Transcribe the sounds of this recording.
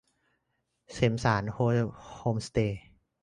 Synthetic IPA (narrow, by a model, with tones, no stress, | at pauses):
se˩˦msaː˩˦nhoː˧hoː˧mst̪eː˧